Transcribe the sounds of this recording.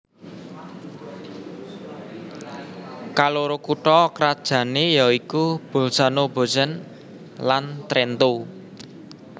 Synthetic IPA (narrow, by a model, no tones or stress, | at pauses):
kaloɾokuʈɔkɾad̥ʒ̥ä̤nejɔikub̥o̤lsanobo̤sən | lant̪ɾɛnt̪o